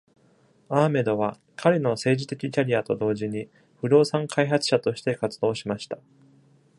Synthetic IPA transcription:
aːme̞d̪o̞βa | kʰaɾʲeno̞se̞ːʑit̪e̞kʲikʲaɾʲiat̪o̞d̪o̞ːʑiɲ̟i | ɸɯ̟ɾo̞ːsãŋkʰaiɦat͡sɨ̥ɕat̪o̞ɕi̥t̪e̞kat͡sɨd̪o̞ːɕimaɕi̥t̪ḁ

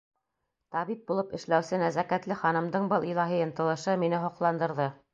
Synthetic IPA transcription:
t̪ɑβip̚bulˠɤpɘ̆ʃlæwsɘnæzækæt̪lɘχɑnɤ̆md̪ɤɴbɤlˠilˠɑɦijɤnt̪ɤ̆lˠɤ̆ʃɤminɘɦŏqlˠɑnd̪ɤ̆ɾðɤ

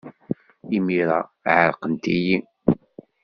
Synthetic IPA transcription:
imiɾˤɑʕəɾqənt̪iji

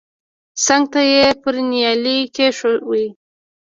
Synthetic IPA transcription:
saŋɡ̚t̪ajepəɾnjɑlikeʃowi

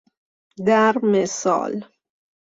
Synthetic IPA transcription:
d̪æɾmesɔ̰ːl

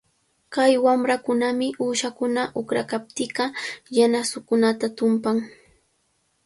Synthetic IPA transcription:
kajwamɾakʊnamɪʔuːʃakʊnaʔʊkɾakap̚t̪ɪɢɑjanasʊkʊnat̪at̪ʊmpaŋ

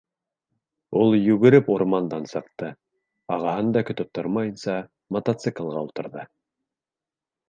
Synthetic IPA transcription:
ulˠjʉɡɘ̆ɾɘpuɾmɑnd̪ɑnsɤ̆q̚t̪ɤ | ɑʁɑɦɤnd̪ɑkɵ̆t̪ɵp̚t̪ʰoɾmɑjɤ̆nsɑ | mɐt̪at̪sɨklˠʁɑulˠt̪ɤ̆ɾðɤ

